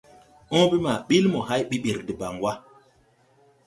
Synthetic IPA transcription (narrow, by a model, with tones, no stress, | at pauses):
ʔɔ̃˦bi˦ma˨ɓi˦lmo˨ɦa˦jɓi˦ɓi˨ɾdi˨ba˨ŋwa˦